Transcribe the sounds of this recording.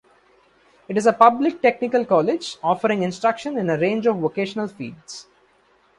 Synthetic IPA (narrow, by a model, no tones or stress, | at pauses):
ɪʈɪzəpʌblɪk̚ʈek̚nɪkəlkɔːlɪd͡ʒɔːfəɾɪ̃ŋɪ̃nsʈɾʌkʃə̃nɪ̃nəɾẽːnd͡ʒɔʋʋokeːʃənəlfḭːɖs